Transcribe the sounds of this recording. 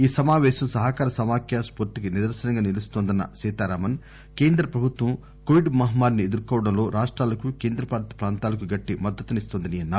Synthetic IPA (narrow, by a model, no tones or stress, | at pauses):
iːsɐmaːʋɛːʃɐmsɐɦɐkaːɾɐsɐmaːkʰjaːspoɾt̪ikinɪd̪ɐɾsɐnɐŋɡaːnilust̪oːnd̪ɐnːɐ̰sɛːt̪aːɾaːmɐn | ke̞ːnd̪ɾɐpɾɐbʱut̪ʋɐm | koʋiɖmɐɦɐmaːɾnied̪uɾukɔːʋɐɽɐmlo̞ːɾaːʂʈɾaːlɐkukeːnd̪ɾɐpaːɾt̪ɐ̥pɾaːnt̪aːlɐkuɡɐʈːimɐd̪ːɐt̪ːunist̪ond̪ɐniɐnːaː